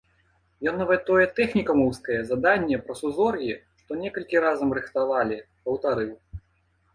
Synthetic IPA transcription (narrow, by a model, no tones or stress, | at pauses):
jɔnːɐvɛt̪ːɔjɛt̪ɛxnʲikɐmɔwskɐjɛzad̪anʲːɛpɾɐsuzɔrjʲiʂt̪ɔnʲɛkɐlʲkʲiɾazɐmrɨxt̪avalʲi | pɐwt̪aɾɨw